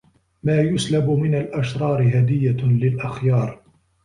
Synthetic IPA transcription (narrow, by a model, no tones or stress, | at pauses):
maːjʊslabʊmɪnalʔaʃɾˤɑːɾɪɦad̪ɪjːalɪlʔaxjɑːɾˤ